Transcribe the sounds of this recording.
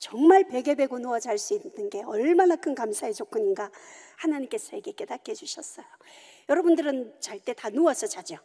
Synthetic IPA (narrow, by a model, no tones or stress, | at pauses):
t͡ɕʌŋmaɭpe̞ɡe̞be̞ɡonoʌd͡ʑaɭs͈uinːɯnɡe̞ʌɭmanakʰɯnkamsʰaet͡ɕok͈ʰɯɲinɡahanaɲimk͈e̞sʰʌeɡe̞k͈e̞dak̚k͈ʰed͡ʑuɕʰʌs͈ʌjo | jʌɾʌbundɯɾɯnt͡ɕaɭt͈e̞tanoʌsʰʌt͡ɕad͡ʑʌ